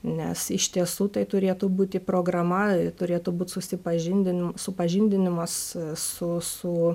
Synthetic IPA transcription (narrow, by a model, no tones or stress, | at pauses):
nʲɛ̰sɪʃʲt̪ʲiɛsuːt̪ɐɪt̪ʊɾʲeːt̪ʊbuːt̪ʲɪpɾoːɡrɐmɐt̪ʊɾʲeːt̪ʊbuːt̪ʲsʊsʲɪpɐʒʲɪnʲd̪ʲɪnʲɪmsʊpɐʒʲɪnʲd̪ʲɪnʲɪmɐssʊsʊ